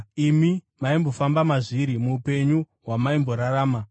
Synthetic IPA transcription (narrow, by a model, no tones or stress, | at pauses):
imi | maimbo̞fambamaʐiɾimuːpe̞ɲu | ɦwamaimbo̞ɾaɾaːma